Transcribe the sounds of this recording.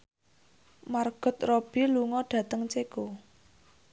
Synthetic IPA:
marɡ̥ɔ̤t̪rob̥i̤luŋɔɖ̥ä̤t̪əŋt͡ʃeko

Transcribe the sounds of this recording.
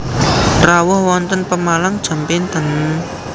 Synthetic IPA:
rawʊhwɔnt̪ənpəmalaŋd̥ʒ̥a̤mpent̪a̤n

